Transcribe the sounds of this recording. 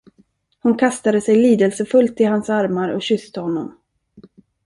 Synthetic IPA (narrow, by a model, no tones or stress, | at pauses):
hʊnkʰast̪ad̪əsɛjliːd̪əlsəfɵlt̪ɪhansaɾmaɾɔ̰ɕʏst̪əhɔnːɔm